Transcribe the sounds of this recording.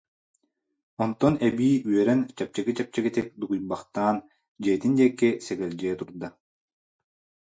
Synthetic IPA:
ɔnt̪ɔnɛbiːyœɾɛnt͡ɕɛp̚t͡ɕɛɡit͡ɕɛp̚t͡ɕɛkɛt̪ɛk̚d̪uɡujbaχt̪aːn | d͡ʑɛːt̪ind̪iɛkːɛsɛɡɛld͡ʑɛːt̪uɾd̪a

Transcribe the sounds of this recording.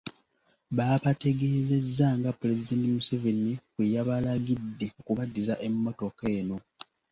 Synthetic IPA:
βaːβate̞ɡe̞ːze̞zːaŋɡapule̞zide̞ːntimusevenikwijaβalaɡidːe̞okuβadːizaʔe̞mːo̞to̞ke̞ːno̞

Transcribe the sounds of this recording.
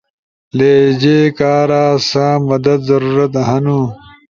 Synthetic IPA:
leːd͡ʑeːkaːɾaːsãːmɐd̪ɐd̪zɐɾuːɾɐt̪ɦɐnu

